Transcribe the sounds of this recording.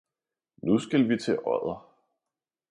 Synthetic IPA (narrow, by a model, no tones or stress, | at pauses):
nusɡ̥ælʋit͡sʰe̝ʔɒð̰ˠɐ